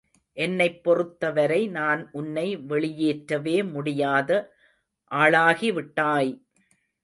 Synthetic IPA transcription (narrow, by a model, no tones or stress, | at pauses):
ʔɛnːɐɪpːɔrɯt̪ːɐʋɐɾɐɪnaːnʔʊnːɐɪʋɛɭɪjeːʈɾɐʋeːmʊɽɪjaːðɐ | ʔaːɭaːɣiʋɪʈːaːj